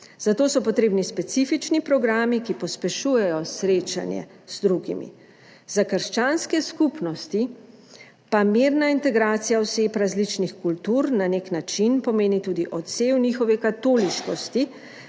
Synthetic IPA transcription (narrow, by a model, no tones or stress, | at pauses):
z̥at̪oːsɔpɔt̪ɾeːbnispɛt̪sifit͡ʃnipɾɔɡɾaːmikipɔspɛʃuːjɛjɔsɾeːt͡ʃa̰njɛ̰ | z̥d̪ɾuɡḭmḭ | zakəɾʃt͡ʃaːnskɛskupnɔst̪i | pamiːɾnaint̪ɛɡɾaːt̪sijawseːpɾazlit͡ʃnixkult̪uːɾnaneknat͡ʃinpɔmeːnit̪uːd̪iʔɔt̪seːwnixɔʋɛkat̪oːliʃkɔst̪i